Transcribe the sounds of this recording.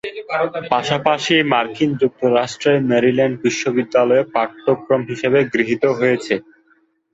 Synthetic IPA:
paʃapaʃimaɾkind͡ʑuk̚t̪oɾaʃʈɾemeɾilɛɳɖ̚biʃːobid̪ːalɔepaɾt̪ːokɾomɦiʃebeɡɾiɦit̪oɦojet͡ɕʰe

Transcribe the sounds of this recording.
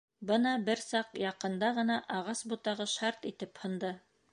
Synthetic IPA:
bɤnɑbɘɾsɑqjɑqɤ̆nd̪ɑʁɤ̆nɑʔɑʁɑsbut̪ɑʁɤʃɑɾt̪it̪ɘphɤ̆nd̪ɤ

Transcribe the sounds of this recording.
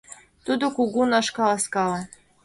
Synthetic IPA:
t̪ud̪okuɡunɑʃkɑlˠɑskɑlɑ

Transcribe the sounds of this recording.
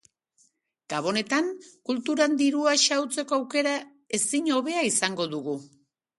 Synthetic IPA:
ɡ̥aβo̞ne̞t̪aŋkult̪uɾand̪iɾuaʃawt͡se̞ko̞awke̞ɾa | e̞siɲo̞βe̞aisaŋɡo̞ðuɣu

